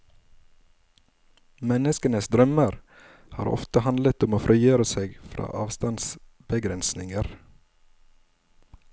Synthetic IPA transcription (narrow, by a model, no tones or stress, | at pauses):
mɛnəskənəsd̪ɾœməɾ | hɑ̰ːɾɔ̰ft̪əhɑnd̪lət̪ʊmoːfɾʔiːjøːɾəseːɡfɾɑ̰ːʔɑːʋst̪ɑns | bəɡɾɛnsnɪŋəɾ